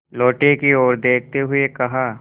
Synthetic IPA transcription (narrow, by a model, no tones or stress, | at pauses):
lɔːʈekiɔːɾd̪eːk̚ʰt̪eɦʊekɐɦaː